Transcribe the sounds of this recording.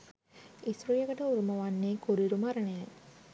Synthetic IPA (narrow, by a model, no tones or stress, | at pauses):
isɾujɐɡəʈəuɾumɐʋanːeːkuɾiɾumaɾənejɐ